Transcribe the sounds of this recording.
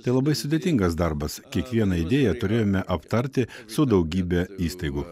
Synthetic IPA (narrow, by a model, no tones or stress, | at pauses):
t̪ɐɪlˠɐbɐɪsʊd̪ʲeːt̪ʲɪŋɡɐsd̪ɐɾbɐskʲiɛkʋʲiɛnɐɪd̪ʲeːjɛt̪ʊɾʲeːjoːmʲɛʔɐpt̪ɐɾʲt̪ʲɪsʊd̪ɐʊɡʲiːbʲɛiːst̪ɐɪɡʊ